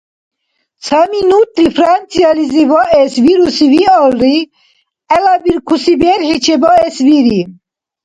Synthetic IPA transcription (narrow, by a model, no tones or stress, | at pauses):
t͡sʰaminut̪ʰʼɾifɾant͡sʰijalizivaʔɛsviɾusivialri | ɛlabiɾkʰusibɛɾħit͡ʃʰɛbaɛsviɾi